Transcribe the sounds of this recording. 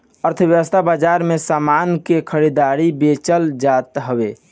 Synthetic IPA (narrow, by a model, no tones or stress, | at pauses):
əɾt̪ʰəbjəwəst̪ʰabad͡ʒaɾmesamankekʰəɾid̪aɾibet͡ʃəld͡ʒat̪ɦəbe